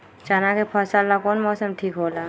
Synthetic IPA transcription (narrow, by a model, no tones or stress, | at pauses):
t͡ʃaːnakepʰaːsalːakoːnmɔːsəmʈʰiːkɦoːlaː